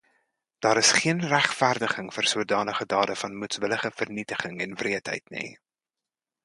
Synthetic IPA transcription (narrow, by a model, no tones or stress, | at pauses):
d̥ɑːɾəsχiənræχtfærdəχəŋfərsuədɑːnəχədɑːdəfɐnmutsʋələχəfərnitəχəŋɛnvriətɦə̰jtnḭ